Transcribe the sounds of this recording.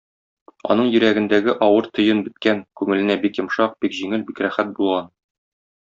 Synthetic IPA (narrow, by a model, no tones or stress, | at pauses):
ɒ̰n̪ɤɴjɵ̆ɾæɡɘ̆nd̪æɡɘʔɒwɤɾt̪ŏjɤnbɘ̆t̪̚kæŋkʉŋɘ̆lɘ̆næbikjŏmʃɑq̚b̥ikʑiŋɘlbikɾæχæt̪̚bulˠʁɑn